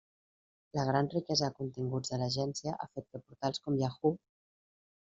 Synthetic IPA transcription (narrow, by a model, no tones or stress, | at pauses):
ləɣɾanrikɛzəðəkunt̪iŋɡud͡zðələʒɛnsjiəʔa̰fet̪̚kəpuɾt̪alˠskɔmjaxu